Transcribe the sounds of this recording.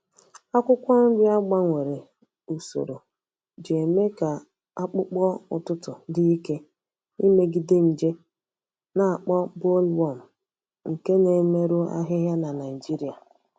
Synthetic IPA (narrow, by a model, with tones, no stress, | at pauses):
a˦kʷʊ˦kʷɔ˦n̩˦dɪ˦a˦ɡ͡ba˦ŋʷe˨ɾe˨ | u˨so̰˨ɾo˨ | d͡ʒe˨me˦ka˨ | a˦k͡pʊ˦k͡pɔ˦ʊ̰˨tʊ˦tʊ˨di˦i˦ke˦ | i˦me˦ɡi˨de˦n̩˨d͡ʒe˦ | na˨a˨k͡pɔ˦bo˦lwɔ˦˨m̩˨ | ŋ̩˨ke˦ne˨˦me˦ɾʊ˦a̰˦ɦɪ˦ɦja˦na˨na˨i˨d͡ʒi˦ɾi˨a˨